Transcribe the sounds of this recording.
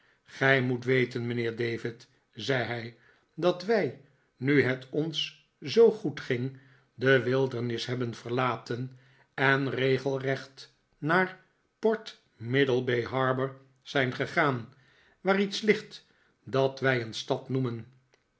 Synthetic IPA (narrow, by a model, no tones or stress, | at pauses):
χɛjmutʋejtənmənɪːɹdejvɪt | zɛjɦɛj | dɑtʋɛj | nyɦɛtɔns | zowχutχɪŋ | dəʋɪlˠdəɹnɪsɦɛbənv̥əɹlaːtʰən | ɛnrejχəlˠrɛχt | naːɹ | pɔɹt | mɪdəlˠbejɦɑɹbəɹ | z̥ɛjnχəχaːn | ʋaːɾitslɪχt | dɑtʋɛjənstɑtnumən